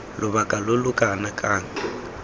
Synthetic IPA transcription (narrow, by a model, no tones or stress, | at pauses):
lʔʊβakʼalʊlʊkʼanakʼaːŋ̩